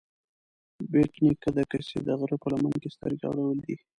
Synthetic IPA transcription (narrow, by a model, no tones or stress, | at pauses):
beʈnikəd̪akəsḛd̪əɣɾopəlamankest̪ə̰ɾɡɑ̰ɽawəld̪i